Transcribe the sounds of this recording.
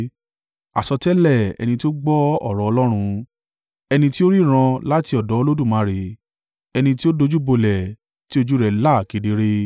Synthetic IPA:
a̰˨sɔ˧tɛ˦lɛ˦˨ɛ̰˧nĩ˧ti˦o˦ɡ͡bɔ˦ɔ̰˦˨ɾɔ˨˧ɔ˧lɔ˦ɾ̃ũ˧ | ɛ˧nĩ˧ti˦o˦ɾi˦˨ɾ̃ã˧la˦ti˧ɔ˨dɔ˨˦o˧lo˦dũ˦˨mãː˨˦ɾe˨ | ɛ˧nĩ˧ti˦o˦do˧d͡ʒu˦bo˧lɛ˨ | ti˦o˧d͡ʒu˦ɾɛ˧la˦˨ke˨˧de˨˧ɾe˦

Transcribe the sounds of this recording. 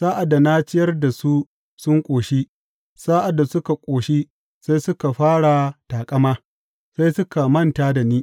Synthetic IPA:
saː˦ʔa˨da˨naː˦t͡ʃɪ˦jɐ˦rda˨su˦ | sʊ˦ŋkʷʼoː˨ʃi˦ | saː˦ʔa˨dːa˨sʊ˦ka˨kʷʼoː˨ʃi˦ | sa˦jsʊ˦ka˨ɸaː˦ɽa˨taː˨kʼɐ˦maː˦ | sa˦jsʊ˦ka˨mɐ˦˨ntaː˦da˨niː˦

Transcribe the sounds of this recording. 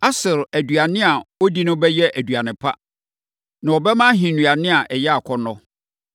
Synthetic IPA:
a˦sɪ˨ɾæ˨du˨a˨nɪ̃˦a˨ɔ˦di˦nʊ̃˦bɛ˦jɛ˦ʔæ˨du˨a˨nɪ̃˨pʰa̰˦ | nã˨ɔ˨bɛ˦mã˦ɦĩ˨nũ˨a˨nɪ̃˦a˨ʔɛ˨jɛ˦a˨kʰɔ˦nɔ̃˦

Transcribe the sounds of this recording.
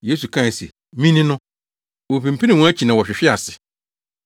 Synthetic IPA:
je˦su˨kʰã˦˨sḛ˨ | mĩ˦nɪ̃˦nʊ̃˦ | wo˨pĩ˨m̩˨pʰĩ˦nɪ̃˨wɔ̃˦æ˦t͡ɕʰi˨nã˨wɔ˨ɕᶣɪ˨ɕᶣɪ˦a˨sɪ˨

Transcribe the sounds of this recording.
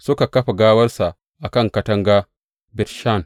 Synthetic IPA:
sʊ˦ka˨kɐ˦ɸa˨ɡaː˦wɐ˦ɾsa˨ | ʔa˨kɐ˦ŋkɐ˦tɐ˦ŋɡa˦ | bɪ˨tʃa˦˨n

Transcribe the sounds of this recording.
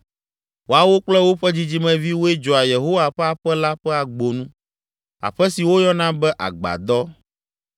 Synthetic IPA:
wo˦a˨wo˦k͡plɛ˦wo˦ɸɛ˦d͡ʑi˦d͡ʑi˦mɛ̃˨vi˦wo˦e˦d͡ʒɔ˨a˨je˨ɦo˦wa˨ɸɛ˦a˨ɸɛ˦la˦ɸɛ˦a˨ɡ͡bo˨nũ˦ | a̰˨ɸɛ˦si˨wo˦jɔ̃˦nã˦bɛ˦ʔa̰˨ɡ͡ba̰˨d̪ɔ˦

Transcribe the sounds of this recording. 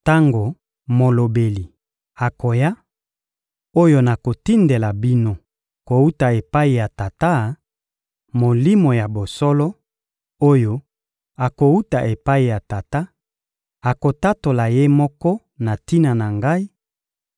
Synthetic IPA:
ta˦ŋɡo˨ | mo˨lo˨be˨li˨ | a˨ko˨ja˦ | o˦jo˦na˨ko˨ti˦nde˨la˨bi˦no˨ | ko˨u˦ta˨e˨pa˦i˨ja˨ta˨ta˦ | mo˨li˦mo˨ja˨bo˨sɔ˦lɔ˦ | o˦jo˦ | a˨ko˨u˦ta˨ʔe˨pa˦i˨ja˨ta˨ta˦ | a˨ko˨ta˦to˨la˨je˦mɔ˦kɔ˦ | na˨ti˦na˨na˨ŋɡa˦i˦

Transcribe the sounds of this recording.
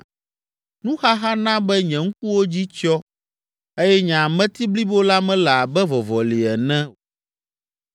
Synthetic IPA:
nũ˦xa˦ɦa˦nã˦bɛ˦ɲɛ̃˨ŋ̩˦ku˦wo˦d͡ʑi˦t͡ʃɔ˦ | e˦jɛ˦ɲã˨a˨mɛ̃˦t̪i˦bli˦bo˦la˦mɛ̃˦la˨a˨bɛ˦vɔ˨vɔ˨li˨ɛ˨nɛ̃˦˨

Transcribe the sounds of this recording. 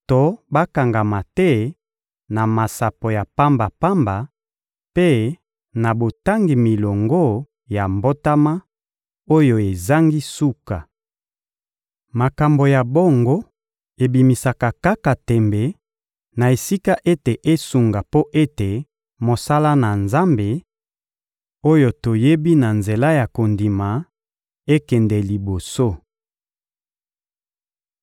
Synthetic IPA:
to˦ba˦ka˨ŋɡa˨ma˨tɛ˦ | na˨ma˨sa˨po˨ja˨pa˦mba˨pa˦mba˨ | pe˦ | na˨bo˨ta˦ŋɡi˨mi˨lo˨ŋɡo˦ | ja˨mbo˦ta˦ma˦ | o˦jo˨e˨za˦ŋɡi˦su˦ka˨ | ma˨ka˨mbo˨ja˨bo˦ŋɡo˦ | e˨bi˨mi˨sa˨ka˨ka˦ka˨tɛ˨mbɛ˨ | na˨e˨si˦ka˦ʔe˦te˨ʔe˦su˨ŋɡa˨po˦ʔe˦te˨ | mo˨sa˦la˦na˨nza˦mbe˨ | o˦jo˨to˨je˦bi˦na˨nze˨la˦ja˨ko˨ndi˨ma˨ | e˦kɛ˨nde˨li˨bo˨so˦

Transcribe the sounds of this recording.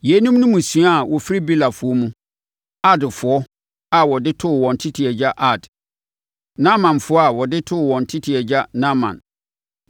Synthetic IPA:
je˨˦nũ˦mnũ˦mũ˨sɥa˦˨wʔɔ˨fɾi˦bi˦la˨fʊ˨˦ɔ˦mũ˦ | a˦dfʊ˨ɔ˦ | a˨wɔ˨dɪ˦tʰʊ˦˨wɔ̃˨n˨tʰi˦tʰi˨ɛ˨d͡ʑa˦ʔa˦˨d | nã˦mã˨nfʊ˦ɔ˦a˨wɔ˨dɪ˦tʰʊ˦˨wɔ̃˨n˨tʰi˦tʰi˨ɛ˨d͡ʑa˦nã˦mã̰˨n

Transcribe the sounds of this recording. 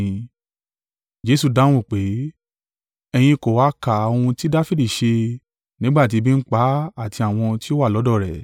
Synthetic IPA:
d͡ʒe˨˦su˦˧˨dã˨˦ũ˦˨k͡pe˨˦ | ɛ˧j̃ĩ˧ko˨wa˨˦ka˨o˧hũ˧ti˦da˦fi˦di˦˨ʃe˧ | nĩ˨˦ɡ͡ba˦˨t̬i˨˧˦bĩ˦n̩˦k͡pa˨˦a˦˨ti˧a˨w̃ɔ̃˧ti˦o˦wa˦˨lɔ˨˦dɔ˦˨ɾɛ˨

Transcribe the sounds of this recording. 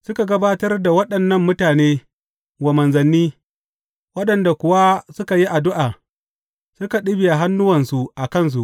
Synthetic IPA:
sʊ˦ka˨ɡɐ˦baː˦tɐ˦rda˨wɐ˦ɗɐ˨nːɐ˦mːʊ˦taː˨neː˦ | ɡʷɐ˨mɐ˨nzɐ˨nːiː˦ | wɐ˦ɗɐ˨nda˨kʷʊ˨wa˦sʊ˦ka˨ji˦ʔa˨dʊ˦ʔaː˨ | sʊ˦ka˨ɗɪ˦bɪ˨ja˨ɦa˦nːʊ˦wɐ˨nsu˨ʔa˨kɐ˦˨ns̬u˨ʔ

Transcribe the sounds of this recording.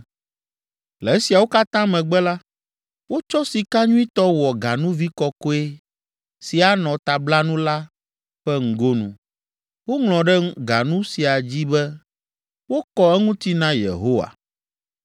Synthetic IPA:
lɛ˨ɛ˦si˨a˨wo˦ka˦t̪ã˦mɛ̃˨ɡ͡bɛ˦la˦ | wo˦t͡ʃɔ˦si˨ka˦ɲũ˦i˦t̪ɔ˦wɔ˨ɡa˨nũ˦vi˦kɔ˦ko˦e˦ | si˨a˨nɔ̃˨t̪a˨bla˦nũ˦la˦ | ɸɛ˦ŋ̩˨ɡo˦nṵ̃˨ | wo˦ŋlɔ̃˨ɖɛ˦ɡa˨nũ˦si˨a˨d͡ʑi˦bɛ˦ | wo˦kɔ˦ɛ˦ŋũ˦t̪i˦nã˦jḛ˨ɦo˦wa̰˨

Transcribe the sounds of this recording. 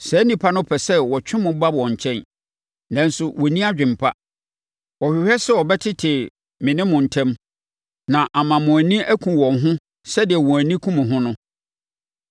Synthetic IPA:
sɛ˨˦nĩ˨pʰa˦nʊ̃˦pʰɛ˨sɛ˦wɔ˨t͡ɕʰᶣɪ̃˦mʊ̃˨˦ba˦bɔ̃˨ɲ˨t͡ɕʰɛ̃˦n | nã˨n̩˦sʊ˨wɔ˨nĩ˦a˦d͡ʑᶣɪ̃˨m˨pʰa̰˦ | wɔ˨hᶣɪ˨hɛ˦sɛ˦wɔ˨bɛ˦tʰɪ˦tʰɪ˨ | mɪ̃˨nɪ̃˦mʊ̃˨n̩˨tʰɛ̃˦m | nã˨ʔa˨mã˨mʊ̃˨æ˨nĩ˦ʔæ˦kʰũ˨wɔ̃˨ŋɦʊ̃˦ | sɛ˦dɪ˨ɛ˨wʊ̃˨æ˨nĩ˦kʰũ˦mʊ̃˨ɦʊ̃˦nʊ̃˦

